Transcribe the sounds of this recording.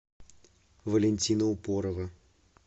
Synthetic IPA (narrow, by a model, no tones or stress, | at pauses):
vəlʲɪnʲtʲinəʊpoɾəvə